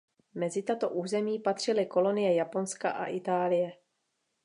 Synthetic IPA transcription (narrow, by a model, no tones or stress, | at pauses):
mɛzɪt̪at̪o̞ʔuːzɛmiːpat̪r̝̥ɪlɪko̞lo̞nɪjɛjapo̞nska̰ʔa̰ʔɪt̪aːlɪjɛ